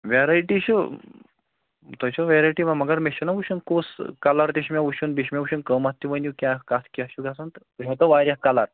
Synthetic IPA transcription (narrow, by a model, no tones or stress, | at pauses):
ʋaɾajʈiɕu | t̪ɔt͡ɕɔʋeɾajʈiʋamɐɡaɾmeɕənaʋuɕunkoskalaɾt̪eɕmjaʋuɕunbiɕmʲauɕunkəmat̪ːiʋənukʲakat̪ʰkjaɕuɡʱasunt̪t̪uɦat̪əʋaɾʲjakalaɾ